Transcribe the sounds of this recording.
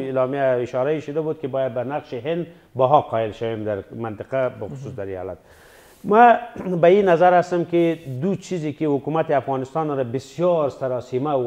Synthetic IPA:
ilɑmijaɪʃɑɾaiʃʊd̪abud̪̚kibɑjad̪̚banaqʃiɦɪnd̪ | bɔɦɑqɑɪlʃawemd̪aɾmant̪ɪqabaxʊ̥suːsd̪aɾijɑ̰la̰t̪̚ | mabainazaɾast̪amkid̪ut͡ʃʰizikihʊkumat̪iafɣɑnɪst̪ɑnɾabɪsjɑɾsaɾɑsima

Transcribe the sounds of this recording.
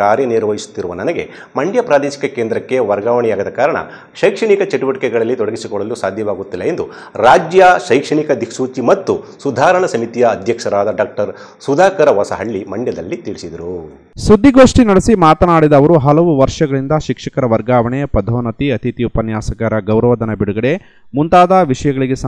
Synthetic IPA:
aːɾjɐniɾʋɐɦisu̥t̪ːiɾuʋɐnɐnɐɡe̞̰ | mɐɳɖjɐpɾaːd̪eːʃi̥kɐkeːnd̪ɾɐkːeʋɐɾɡaːʋɐɳɛjaːɡɐd̪ɐkaːɾɐɳɐ̰ | ʃɐjkʂɐɳikɐt͡ʃeʈuʋɐʈikɛɡɐɭɐlːit̪ɔɽɐɡisikɔɭɐlusaːd̪ʱjɐʋaːɡut̪ːilːɐend̪u | ɾaːd͡ʒjɐʃɐjkʂɐɳikɐd̪ikʰsuːt͡ʃimɐt̪ːusud̪ʱaːɾɐɳɐsɐmit̪ijɐːd̪ʱjɐkʂɐɾaːd̪ɐɖaːk̚ʈɐɾ | sud̪ʱaːkɐɾɐʋɐsɐɦɐɭːimɐɳjɐd̪ɐ̰lːit̪iɭisid̪ɐɾu | sud̪ʱːiɡoːʂʈinɐɽesimaːt̪ɐnaːɽid̪ɐːʋɐɾuɦɐlɐʋuʋɐɾʂɐɡɐɭind̪ɐʃikʂɐkɐɾɐʋɐɾɡaːʋɐɳepɐd̪ʱoːnɐt̪iɐt̪it̪iupɐnjaːsɐɡaɾɐɡɐwɾɐʋɐd̪ɐnɐbiɽuɡɐɽe̞ | munt̪aːd̪ɐʋiʂɐjɐɡɐɭiɡe̞sɐ

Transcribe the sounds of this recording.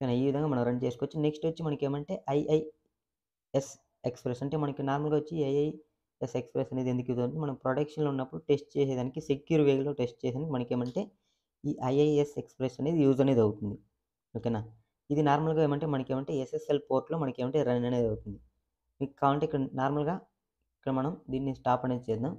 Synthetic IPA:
kɐnaiːʋid̪ɐŋɡaːmɐnɐmɾɐɳɖt͡ʃe̞ːsukʋot͡ʃːineksʈʋɐt͡ʃːimɐnɐkeːmɐɳʈe̞ːʔɐjʔɐj | es | ekspɾesɐɳʈe̞ːmɐnɐkinaːɾmɐlɡaːʋot͡ʃːiɐjɐj | esekspɾesɐne̞ːd̪ed̪ukjuːzɐt̪nimɐnɐmpɾoɖɐkʂɐnlounːɐpːuɽuʈe̞sʈ̚t͡ʃɛːsɛːd̪aːnikisekjuːɾʋeːɡloːʈe̞sʈ̚t͡ʃɛːsaːnikimɐnɐkeːmɐɳʈe̞ː | iːʔɐjɐjesekspɾesɐne̞ːd̪ijuːzɐneːd̪ɐwut̪und̪i | okːenːaː | id̪inaːɾmɐlɡaːeːmɐɳʈe̞ːmɐnɐkeːmɐɳʈe̞ːeseselpo̞ːɾʈloːmɐnɐkeːmɐɳʈeːɾɐnnɐne̞ːd̪ɐwut̪und̪i | mikkːaːɐɳʈeikːɐɽɐnaːɾmɐlɡaː | ikːɐɽɐmɐnɐmd̪iːnːisʈaːpɐneːd̪it͡ʃeːd̪am

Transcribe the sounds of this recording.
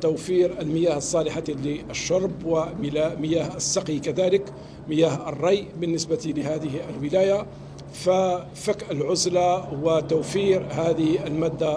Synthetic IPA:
t̪uwfiɾəlməjaːhəsˤːɑːlɪħaliəʃːɑɾˤbwəməjæːhəsːɑqikæd̪ælək | məjæːhərˤːɑjʔbənːəsbat̪iləhæːd̪əhiʔəlwəlæja | fa | fəkʔəlʕʊzlawət̪ʊwfiɾhæd̪əhiəlmæd̪ːa

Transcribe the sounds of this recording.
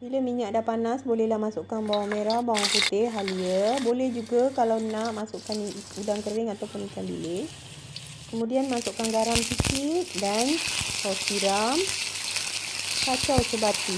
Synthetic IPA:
biləmiɲaʔdapanasbolɛhlahmasʊʔkanbawaŋmeɾahbawaŋput̪eɦaliəbolɛhd͡ʒuɡakalawnãʔmasʊʔkanudaŋkəɾɪŋat̪awpʊnikanbḭlɪh | kəmũdianmasʊʔkanɡaɾamsikit̪̚dankɔsiɾam | kat͡ʃawsəbat̪i

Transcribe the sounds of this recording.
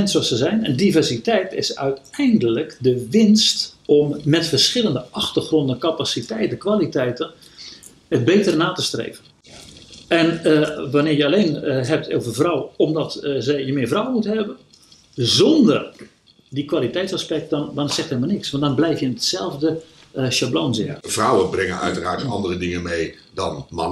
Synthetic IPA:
ɛnsoɔsəzɛjnɛ̰ndivɛrsitɛjtɪ̰sœ̰ɥtɛjndələkdəʋɪnstɔmːɛtfərsxɪlˠəndəɑxtərχrɔndəkapasitɛjtəkʋalitɛjtən | əd̚beːtərnaːtəstrḛːvən | ɛnəʋanɪːrjəaleːnɦɛp̚tʰoːvəvrɔwomdɔtzɛjəmɪːvrawəmuthɛbən | zɔndər | dikʋalitɛjtsaspɛk̚tdɔndɔnsɛxtɛlmalˠnɪksʋɑntdɔnblɛjfjənətsɛlˠvdə | ʃabloːnzɪ̰frawəbrɪŋənœ̰ɥtəra̰ːtɑ̰ndərədɪŋənmej | dɔ̰nmɑ̰nə

